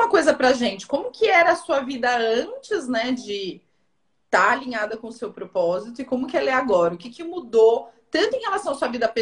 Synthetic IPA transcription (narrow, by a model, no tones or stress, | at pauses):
mɐkojzɐpɾɐʒẽnt͡ʃɪ̥kõmʊkʰɪɛɾɐːsuɐvid̪ɐɐ̃t͡ʃɪznɛd͡ʒɪ | t̪aaliɲad̪ɐkõʊsewpɾopɔzit̪ʊɪkõmʊkɪɛlɐɛaɡɔɾɐʊkɪkɪmud̪ot̪ɐ̃nt̪ʊ̃ẽhelasɐ̃w̃ɐsuɐvid̪ɐpe